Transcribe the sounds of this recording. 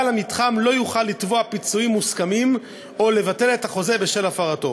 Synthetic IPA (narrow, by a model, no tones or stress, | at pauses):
lamitχamlo̞juχalːitvoapit͡suimːuskamim | o̞le̞vate̞le̞thaχo̞ze̞be̞ʃe̞lafaʁato̞̰